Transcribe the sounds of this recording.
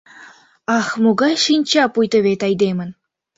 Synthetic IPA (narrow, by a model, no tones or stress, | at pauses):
ɑxmuɡɑjʃinʲt͡ɕɑpujt̪ɤ̆βʲet̪ɑjd̪emɘ̆n